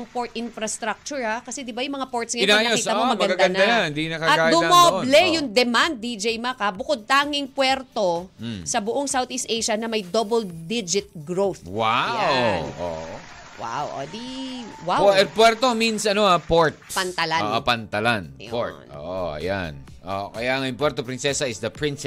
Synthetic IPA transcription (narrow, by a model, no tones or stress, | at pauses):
ŋpoɹt̪̚ʔɪnfɾɐst̪ɾak̚t͡ʃʊɹhakɐsɛd̪ɪbajʊŋmɐŋapoɹt̪sŋɐɪnaj̪okiɐmomɐmɡɐnɡaɡɐnd̪anand̪inɐkɐɐɡaːd̪ʊmoblɛjʊŋd̪ɛmand̪̚ːid͡ʒɛjmɐkabʊkod̪̚t̪aːŋɪŋpwɛɾt̪o̞sɐbʊʔoŋsawt̪ɪst̪ʔejʃɐnɐmɐjd̪obɛld̪id͡ʒɪt̪̚ɡɹowθwawʔo̰ | wa̰wʔo̰d̪iwaɛpwɛɾt̪ominsʔɐnoapoɹt̪̚pɐnt̪ɐlaʔopɐnt̪ɐlanpoɹt̪o̰ːʔoɐ̰ja̰n | ʔo̰ʔkɐjaɐŋɐjʊp̬wɛɾt̪opɾɪnsɛsɐɪsd̪ɐpɹɪns